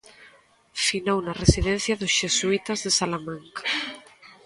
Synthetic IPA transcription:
finownaresiðɛn̟θjaðosʃesuit̪azðesalamãŋkḁ

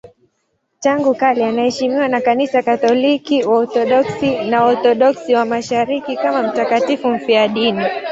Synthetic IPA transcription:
taŋɡukalianahɛʃimiwanakanisakatɔlikiwaɔθɔɗɔksinaɔθɔɗɔksiwamaʃaɾikikamam̩takatifum̩fiaɗini

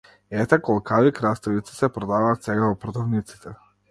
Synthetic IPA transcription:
ɛt̪ɛkɔlˠkʰavikɾast̪ɛvit̪si̥sɛpɾɔd̪avaːt̪sɛɡavɔpɾɔd̪avnit̪si̥t̪ɛ

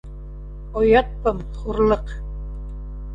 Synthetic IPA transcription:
ojɑt̪̚pɤm | χuɾlˠɤq

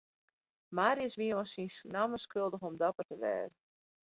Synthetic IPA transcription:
maːɾjəsʋiəɔsinsnaməskølˠdəxɔmdɔpərtəʋɛ̰ːzə

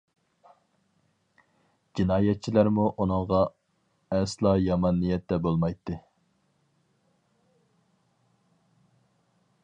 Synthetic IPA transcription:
d͡ʒinɑːjɛt̪̚t͡ʃʰilæɾmuʔunɨŋʁɑ | ɛslˠɑːjɑmɑnːijɛt̪ːɛbolˠmɑjt̪ːɨ

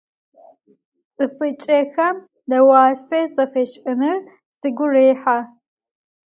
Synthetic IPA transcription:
t͡sʼɨfɨt͡ʃʼɐxɐm | dɐwaːsɐt͡sʼɐfeːʃʔʼɨnɨr | sɨɡʷʊreːħa

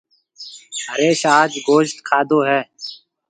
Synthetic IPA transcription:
əɾeːʃaːd͡ʒɡoːʃt̪kʰaːd̪oːɦɛː

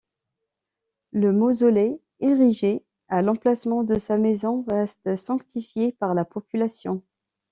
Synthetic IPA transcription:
ləmozɔlɛ | eʁiʒe | alɑ̃plasmɑ̃d̪əsamezɔ̃ʁɛst̪sɑ̃kt̪ifjepaʁlapɔpylasjɔ̃

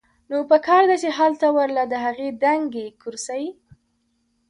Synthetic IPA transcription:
nopəkɑɾd̪at͡ʃeɦalt̪awaɾlad̪əɦaɣed̪aŋɡekʊɾsawi

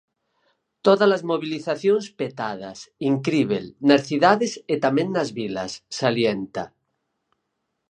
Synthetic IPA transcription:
t̪oðalazmoβiliθaθjonspet̪að̞a̰siŋkɾiβḛlnasθiðaðeset̪amẽnnazβila̰sːaljent̪a

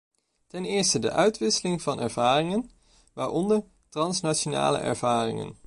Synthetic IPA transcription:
tɛnɪːɹstədə̰ʔœɥtʋɪsəlɪŋvɑnɛ̰ɹv̥aːrɪŋən | ʋaːɹʔɔndəɹ | trɑnsnat͡ʃona̰ːlə̰ʔɛ̰ɹv̥aːrɪ̰ŋə̰n

